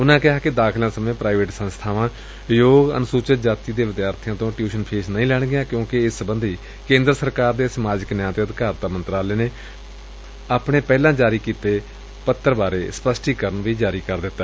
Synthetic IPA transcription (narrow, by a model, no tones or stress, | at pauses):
ʊnãːkɪɦaːkɪd̪aːkʰlãːsəmẽːpɾaːɪʋeːʈsənst̪ʰaːʋãː | joːɡə̰nʊsuːt͡ʃət̪d͡ʒaːt̪iːd̪eːʋɪd̪jaːɾt̪ʰjãːt̪õːʈjuːʃənpʰeːsnəĩːlɛːɽ̃ɡɪjãːkjõːkɪɪsəbənd̪ʱiː | kẽːnd̪ɾəsəɾkaːɾd̪eːsəmaːd͡ʒɪknɪjãːt̪eːəd̪ɪkaːɾt̪aːmənt̪ɾaːleːneː | aːpɽ̃eːpɛːlãːd͡ʒaːɾiːkiːt̪eː | pət̪ːəɾbaːɾeːspəsʈiːkəɾəɳʋiːd͡ʒaːɾiːkəɾd̪ɪt̪ːaːɛ